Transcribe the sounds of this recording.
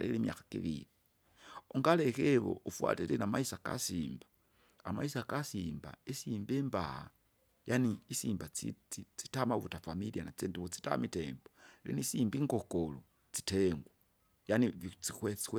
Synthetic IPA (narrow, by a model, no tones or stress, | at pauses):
lelimja̰xḁkḭβḭɾi | oŋɡalekeβo̰ufwa̰tilenamaisaka̰siːmba | amaisakasiːmba̰isimbemba̰ha̰ | janiisiːmbait͡sit͡si̥tamaβutafamilianat͡seːndiβot͡si̥ta̰miteːmbolḛnisimbiŋɡokolo | t͡si̥teŋɡwa | janit͡siwet͡si̥w